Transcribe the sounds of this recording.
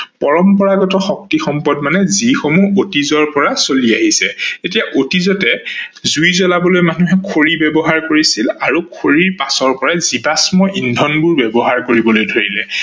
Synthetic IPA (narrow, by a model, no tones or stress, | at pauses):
pɔɹɔmpɔɹaɡɔtɔxɔk̚tixɔmpɔdmanɛzixomuotizɔɹpɔɹasoliaɦisɛtetijaʔotizɔtɛzujzɔlabɔlojmanuɦɛkʰoɹibɛbɔɦaɹkoɹisilaɹukʰoɹiɹpasɔɹpɔɹazibasmɔʔindʱɔnbuɹbɛbɔɦaɹkoɹibɔlojdʱoɹilɛ